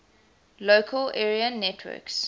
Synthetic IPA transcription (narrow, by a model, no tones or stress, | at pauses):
loʊkʰəlɛɹiənɛtʰwɜ̰ks